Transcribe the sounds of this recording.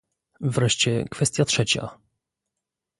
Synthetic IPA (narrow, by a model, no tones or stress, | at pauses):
vɾɛʂt͡ɕɛkfɛst̪ʲjatʂɛt͡ɕa̰